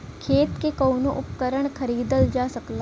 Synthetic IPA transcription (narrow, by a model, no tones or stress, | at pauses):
kʰeːt̪kekɐːnoʔʊpkəɾəɽ̃kʰəɾiːd̪əld͡ʒaːsəkla